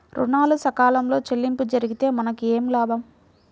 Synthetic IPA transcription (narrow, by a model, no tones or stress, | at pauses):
ɾṵnaːlusɐkaːlɐmlo̞ːt͡ʃelːimpud͡ʒɐɾiɡit̪e̞ːmɐnɐkieːmlaːbɐm